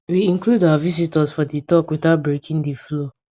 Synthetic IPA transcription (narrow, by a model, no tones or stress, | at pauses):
wiĩŋkludawavizitəzfɔdetɔkweθaʊt̚bɹekʰĩŋdeflo